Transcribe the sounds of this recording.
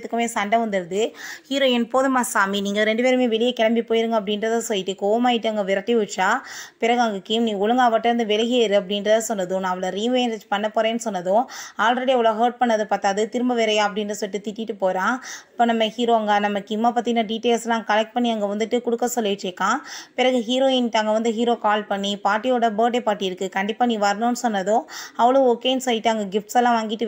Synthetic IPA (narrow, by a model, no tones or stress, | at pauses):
t̪ːɯkːɯmeːsɐɳɖɐʋɐnd̪ɪɾðɯhiːɾoːɪnpoːðɯmaːsaːminiːŋɡɐɾɛɳɖɯpeːɾɯmeːʋɛɭɪjɐkɛɭɐmbipoːjɪɾɯŋɡɐp̬ːɐɽɪnɾɐðãːsɔlːɪʈːɯkoːʋɐmaːjɪʈːɯɐŋɡɐʋɪɾɐʈːiʋɯʈt͡ʃːaːpɪɾɐɣaːŋɡɯkːɯmnĩːʊɻɐŋɡaːʋɐʈːɐɾɯnd̪ɯʋɛlɐɣɪjɐɪɾɯɐpːɐɽɪndɾɐðãsɔnːɐðʊ̃nãːɐʋɯlɐɾiːnʋeːnɐt͡ʃpɐnːɐpːoːɾeːnːɯsɔnːɐðʊ̃aːlɾɐɽiʋʊlɐɣɦɐːʈ̚pɐɳːɐðɯpaːɾt̪aːðɯt̪ɪɾɯmbɐʋɛːɾɐjaːɐp̬ːɐɽɪndɾɐsɔlːɪʈːɯt̪ɪʈːɪʈːɯpoːɾãːɐpːoːnɐmːɐhiːɾoːɐŋɡɐnɐmːɐkːɪmːaːpaːt̪ːinãːɖiːʈeːlsɛlːãːkɐlɛk̚ʈ̚pɐɳːiɐŋɡɐʋɐnd̪ɯʈːɯkʊɽɯkːɐsɔlːɪʋɪt͡ʃːeːkːãːpɪɾɐɣɯɦiːɾoːɪnʈːɐŋɡɐʋɐnd̪ɯɦiːɾoːkaːlpɐɳːipaːʈːɪjoːɽɐbəːʈepaːʈːɪɪɾɯkːɯkɐɳɖɪpːaːnːiʋɐɾɐnõːnːɯsɔnːɐðõɐʋɐɭoːɔkːeːjnsɐjɪʈːɯɐŋɡɐɡɪfʈsɛlːãːʋaːŋɡɪʈːɯ